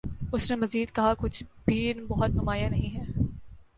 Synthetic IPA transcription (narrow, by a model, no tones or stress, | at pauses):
ʊsnemɐziːd̪kɐɦakʊt͡ʃʰbʱinbɔɦʊt̪̚nʊmaːjanɐɦĩɦɛː